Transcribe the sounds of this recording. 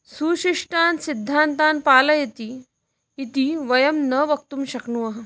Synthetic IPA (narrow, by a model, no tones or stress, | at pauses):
suːɕiʂʈaːnsid̪ʱːant̪ãnpaːlɐjɐt̪iː | t̪iʋɐjəmnəʋək̚t̪umɕɐkɳuʋɐɦ